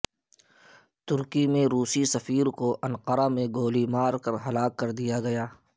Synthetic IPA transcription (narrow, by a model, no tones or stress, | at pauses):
t̪ʊɾkimẽɾuːsisɐfiːɾkoʔɐ̃nqəɾamẽɡoːlimaːɾkɐɾɦɐlaːkːɐɾd̪ijaɡɐjaː